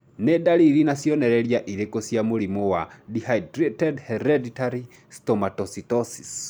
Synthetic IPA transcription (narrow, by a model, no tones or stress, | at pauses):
nedaliɾinasjɔnɛɾɛɾjaʔiɾekosjamuɾimɔwadihaitɾitɛdhɛɾɛditaɾi | stɔmatɔsitɔsi̥s